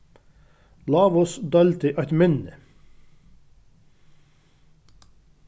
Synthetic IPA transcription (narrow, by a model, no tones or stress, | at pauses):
lɑːʋɔsd̪ɑlt̪ɪʔɑɪt̪mɪnə